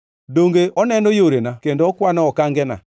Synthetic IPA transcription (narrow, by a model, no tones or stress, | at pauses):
doŋɡeʔɔnɛnojoɾenakendoɔkwanɔɔkaŋɡɛna̰